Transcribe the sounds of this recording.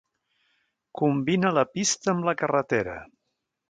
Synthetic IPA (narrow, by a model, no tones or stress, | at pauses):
kumbinələpist̪əːmləkərət̪eɾə̰